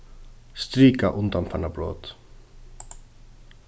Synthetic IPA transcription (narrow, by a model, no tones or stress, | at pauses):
st̪ɾiːkaʔʊnd̪ɑnfɑɳəbɾo̰ːt̪